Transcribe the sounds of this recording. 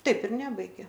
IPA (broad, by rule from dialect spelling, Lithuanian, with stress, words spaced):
ˈtɐɪp ɪr ˈnʲæːbɐɪɡʲeː